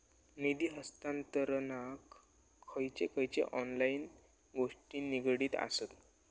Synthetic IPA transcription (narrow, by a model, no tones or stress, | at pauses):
nid̪iːɦəst̪ãnt̪əɾənakʰː | əjt͡ɕekəjt͡ɕḛʔɔnlain | ɡoʂʈiːniɡɽiːt̪a̰sət̪